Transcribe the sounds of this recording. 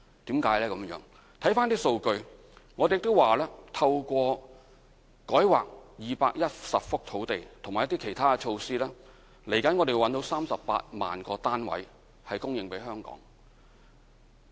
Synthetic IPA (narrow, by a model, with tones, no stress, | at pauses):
t̪iː˨˥mkaː˨˥jlɛː˥kɐ˨˧˦mjœ̰ː˨˥ŋ | t̪ʰɐ˨˥jfaː˥nt̪iː˥so˧wkɵ˧ɥ | ŋɔː˨˧de˨jɪ˨k̚t̪o˥waː˨lɛː˥t̪ʰɐ˧wkʷɔː˧ | kɔː˨˥jwa̰ː˨k̚jiː˨paː˧k̚jɐ˥t̚sɐ˨p̚fʊ˥k̚t̪ʰo˨˥wt̪e˨jt̪ʰʊ˨˩ŋmaː˨jt̪iː˥kʰe˨˩jt̪ʰaː˥kɛ˧t͡ʃʰo˧wsiː˥lɛː˥ | le˨˩jkɐ˨˥nŋɔ˨˧t̪e˨wwɐ˨˥nt̪o˨˥wsaː˥msɐ˨ppa̰ː˧t̚ma̰ː˨nkɔː˧t̪aː˥nwɐ̰˨˥j | hɐ˨jkʊ˥ŋjɪ˨ŋpe˨˥jɦœː˥ŋkɔ̰ː˨˥ŋ